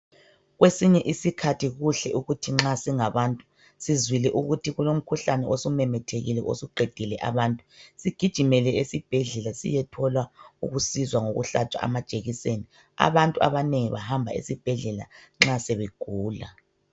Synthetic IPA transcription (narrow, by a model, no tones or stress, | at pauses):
ɣwesiɲɛʔisikʰatʰiɣuɬɛʔuɣutʰiŋ͡ǁasiŋaβantʼu̥ | sizwilɛʔuɣutʰiɣulom̩kʰuɬanɛʔosumɛmɛtʰeɣilɛʔo̰suɡ͡ǃʱed̥ʱilɛʔa̰βantʼusiɡ̥ʱid̥ʒ̥ʱimɛlɛesib̥ʱɛɮɛlasḭjɛtʰɔlwaṵɣusizwaŋoɣṵɬat͡ʃʼa̰a̰mad̥ʒ̥ʼʱeɣiseni | a̰βantʼua̰βaneŋiβahambʱa̰ḛsib̥ʱɛɮɛla̰ŋ͡ǁaseβeɡ̥ʱuːla̰